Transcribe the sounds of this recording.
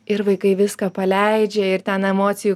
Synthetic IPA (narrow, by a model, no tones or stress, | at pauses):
ɪɾʋɐɪkɐɪʋʲɪskɐpɐlʲɛɪd͡ʒʲɛɪɾt̪ʲɛnɛmoːt̪sʲɪju